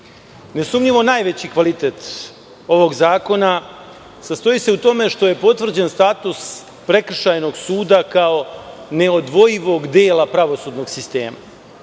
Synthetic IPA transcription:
ne̞sumɲiʋo̞naːjʋe̞t͡ɕikʋalit̪eːt̪ | o̞ʋo̞ɡzaːko̞na | sast̪o̞ise̞ut̪o̞me̞ʃt̪o̞je̞po̞t̪ʋr̩d͡ʑenst̪aːt̪us | pɾe̞k̩ʃajno̞ɡsuːd̪akao̞ne̞o̞d̪ʋo̞jiʋo̞ɡd̪eːlapɾaʋo̞suːd̪no̞ɡsist̪e̞̰ːma̰

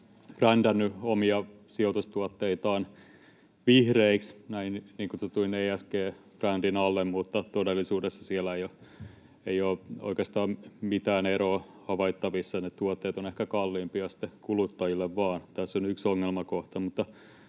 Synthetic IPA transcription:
prændænːyomiɑsiot̪ust̪uɑt̪ːeit̪ɑːn | ʋihreiksnæinniːŋkuset̪ulineiæskeː | prændinɑlːemmut̪ːɑt̪odelːˑisuːdesːɑsielːæejo | eioːo̰ikeːst̪ɑːmmit̪æːneɾoː | hɑʋɑit̪ːɑʋisːɑnet̪uot̪ːeːt̪onehkækɑlːiːmpiɑsi̥t̪ːˑekulut̪ːɑjilːeʋʋɑːnt̪æsːonyksoŋːelmɑkoht̪ɑmut̪ːɑ

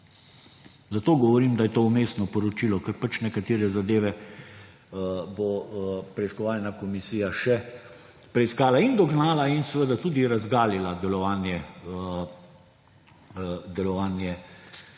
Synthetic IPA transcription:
zat̪oːɡɔʋɔɾiːmd̪ajɛt̪oːumeːsnɔpɔɾɔt͡ʃiːlɔkəɾpat͡ʃnɛkat̪eːɾɛzad̪eːʋɛ | bopɾɛiskɔʋaːlnakɔmisiːjaʃɛ | pɾɛiskaːlaind̪ɔɡnaːlainsɛʋəd̪at̪uːd̪iɾazɡaːlilad̪ɛlɔʋaːnjɛ | d̪ɛlɔʋaːnjɛ

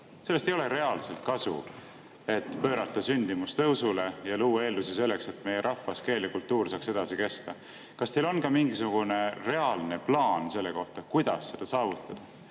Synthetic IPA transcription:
se̞lːest̪e̞jole̞ɾe̞ɑlse̞lt̪̚kɑsṵ | e̞t̪ːpø̞ːɾɑt̪ːˑɑsynʲd̪̥imust̪ɤwsule̞jɑluːɑe̞ːlːusise̞lːe̞kse̞t̪me̞jeɾʔɑfɑske̞ːlekult̪ːuːrsɑːkse̞d̪̥ɑsike̞st̪ɑ | kɑst̪e̞jlo̞nkɑmiŋɡisuɡ̥une̞re̞ɑlne̞plɑːnse̞lːe̞ko̞ht̪ɑkujd̪̥ɑ̰sːe̞d̪̥ɑsɑːvut̪ːˑɑd̪̥ɑ

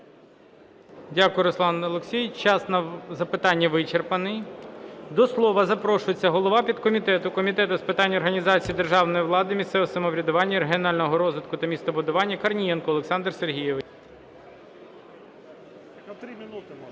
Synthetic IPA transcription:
dʲakʊjɛɾɔslˠɑnɐlˠʊksʲijt͡ʃɑsnɐzɐpɪt̪ɑnʲːɐʋɪt͡ʃerpɐnɪj | d̪ɔslˠɔʋɐzɐpɾɔʃʊjet͡sʲːɐɦɔlˠɔʋɑpʲid̪kɔmʲit̪ɛt̪ʊkɔmʲit̪ɛt̪ʊspɪt̪ɑnʲːɔrɦɐnʲizɑt͡sʲijid̪e̞rʒɑwnɔjiʋlˠɑd̪ɪmʲist̪sɛʋɛsɐmɔʋɾʲɐd̪ʊʋɑnʲːɐɾeɦʲiɔnɑlʲnɔɦɔɾɔzʋɪt̪kʊt̪ɐmʲist̪ɐbʊd̪ʊʋɑnʲːɐkɐrnʲijɛnkɔɔlˠeksɑnd̪rserɦʲijɛʋɪ

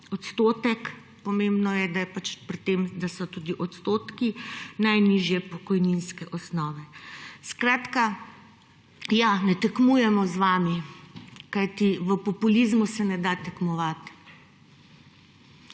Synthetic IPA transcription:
ɔt̪st̪oːt̪ɛk | pɔmembnɔjɛd̪ajɛpat͡ʃpɾit̪ːeːmd̪asɔt̪uːd̪iʔɔt̪st̪oːt̪kinajniʒjɛpɔkɔjninskɛʔɔsnɔːʋɛskɾaːt̪ka | janɛt̪ɛkmujɛmɔzʋaːmi | kajt̪iʋəpɔpulizmusɛnɛd̪at̪ɛkmɔʋat̪

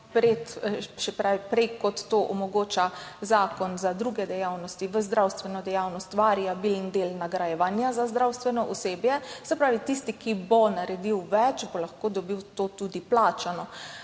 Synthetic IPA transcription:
pɾet̪ʃɛpɾawipɾɛjkɔt̪ːoʔɔmɔɡoːt͡ʃazaːkɔnzad̪ɾuːɡɛd̪ɛjawnɔst̪iʋəzd̪ɾawst̪ʋɛnɔd̪ɛjawnɔst̪ʋaːɾijabilnd̪eːlnaɡɾajɛʋaːnjazazd̪ɾawst̪ʋɛnɔʔɔseːbjɛsɛpɾaːʋit̪ist̪ikibɔnaɾɛd̪iwʋɛt͡ʃbolaxkod̪ɔbiwt̪oːt̪ud̪iplaːt͡ʃanɔ

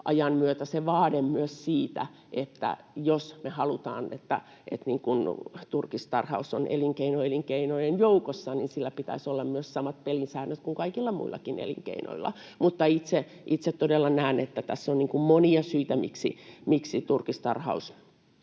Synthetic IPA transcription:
ɑjɑnmyøt̪æseʋɑːdemmyøssiːt̪æ̰ | ʔet̪ːæ̰ | josmehɑlut̪ɑ̰ːnḛt̪ːæ̰ | ḛt̪niːŋkunt̪urkist̪ɑ̰rhɑ̰uso̰nʔḛliŋkeinoeliŋkeinojenjoukosːɑninsilːæpit̪æ̰isolːɑmmyøssɑmɑt̪̚pelinsæːnøt̪kuŋkɑikilːɑmṵilːɑ̰kinḛlḭŋkḛino̰ilːˑɑ̰mut̪ːɑit̪se | ʔit̪set̪t̪odelːɑnæːnet̪ːæt̪æsːonniːŋkummoniɑsyit̪æmḭksḭmiksit̪urkist̪ɑ̰rhɑ̰us

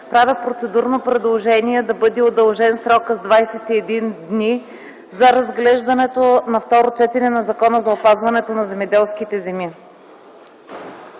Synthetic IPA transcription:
pɾavʲɛpɾot̪sɛd̪uɾnopɾɛd̪lˠoʒɛniɛd̪ɐbɤd̪ɛod̪ɐlˠʒɛnsɾɔkəzd̪vajsɛt̪iɛd̪ind̪ni | zɐɾɐzɡlɛʒd̪ɐnɛt̪onɐft̪ɔɾot͡ʃɛt̪ɛnɛnɐzɐkɔnəzɐopazvɐnɛt̪onɐzɛmɛd̪ɛlˠskit̪ɛzɛmi

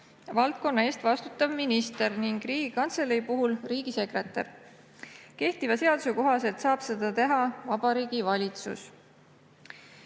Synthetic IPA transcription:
vɑlt̪̚ko̞nːɑe̞ːst̪vɑst̪ut̪ːˑɑvminist̪eɾniŋɡ̥riːɡ̥ikɑnt̪se̞lejpuɦulriːɡ̥ise̞kre̞t̪ːˑɑ̰r | ke̞ht̪ivɑse̞ɑd̪̥useko̞ɦɑse̞lt̪sɑːb̥se̞d̪̥ɑt̪e̞ɦɑvɑbɑɾiːɡ̥ivɑlʲit̪sṵs

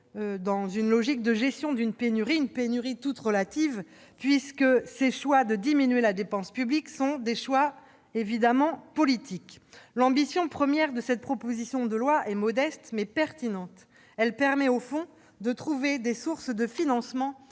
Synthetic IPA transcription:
d̪ɑ̃zynlɔʒik̚d̪əʒɛst̪jɔ̃d̪ynpenyʁiynpenyʁit̪ut̪ʁəlat̪iv | pɥiskəseʃwad̪əd̪iminyelad̪epɑ̃spybliksɔ̃d̪eʃwa | evid̪amɑ̃pɔlit̪iklɑ̃bisjɔ̃pχəmjɛʁd̪əsɛt̪̚pχɔpozisjɔ̃d̪əlwaʔɛmɔd̪ɛst̪mɛpɛʁt̪inɑ̃t̪ | ɛlpɛʁmɛofɔ̃ | d̪ət̪χuved̪esuʁsd̪əfinɑ̃smɑ̃

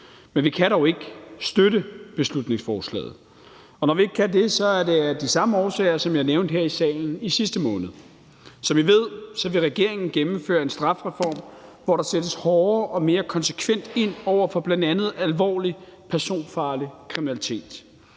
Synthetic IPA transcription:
menʋikʰæɾɒʊe̝ɡ̥sd̥øɾəb̥e̝slud̥ne̝ŋsfɒːslɛ̰ːð̞̩ˠ | ɒ̽nɒʋie̝ɡ̥̚kʰæd̥e̝sɒ̽æɐde̝æɐd̥isɑ̈məɒːsɛ̰ːɪɐsɒ̽mjɑɐneʊnd̥heɐ̰isɛ̰ːln̩isisd̥əmɔ̽ːnð̩ˠ | sɒ̽mʋiʋe̝ð̞̰ˠsɒ̽ʋe̝ʁɛɡ̥e̝ɐ̰eŋn̩ɡ̥emm̩fø̰ːɐe̝nsd̥ʁɑ̈fʁɛfɒ̰ːmʋɒɾɑ̈sed̥əshɒːɐʔɒ̽me̝ːɐkʰɒ̽nsə̥kʰʋen̰d̥e̝n̰ɒʊ̰ɐfɒ̽b̥lænd̥ænð̞̩ˠælʋɒ̰ːlipʰæɐso̝̰ːnfɑ̈ːlikʰʁiminælit͡sʰe̝̰ːd̥

